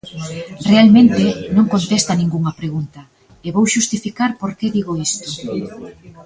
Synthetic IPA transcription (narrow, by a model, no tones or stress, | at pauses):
realmẽnt̪enõŋkont̪est̪ɐnĩŋɡuŋɐpɾeɣunt̪ɐ | eβowʃust̪ifikaɾpoɾkeðiɣoist̪ʊ̥